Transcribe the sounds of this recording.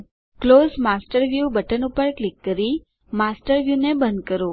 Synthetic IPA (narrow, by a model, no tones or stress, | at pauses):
klozmasʈəɾʋjubəʈənupəɾklikːəɾi | masʈəɾʋjunebənd̪kəɾo